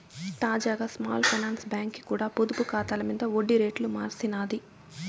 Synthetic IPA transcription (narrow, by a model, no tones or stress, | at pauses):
t̪aːd͡ʒaːɡaːsma̰ːlpʰɐjnaːnsbjaːŋkːi̥kuːɽaːpod̪upukaːt̪aːlɐmiːd̪ɐoɖːiɾeːʈlumaːɾsinaːd̪i